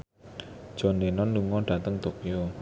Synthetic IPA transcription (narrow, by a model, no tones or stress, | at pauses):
d͡ʒ̥ɔ̤nenɔnːuŋɔɖ̥ä̤t̪əŋt̪okio